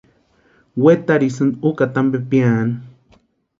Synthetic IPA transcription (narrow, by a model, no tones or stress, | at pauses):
wet̪aɾisɨnd̪ukat̪ambepian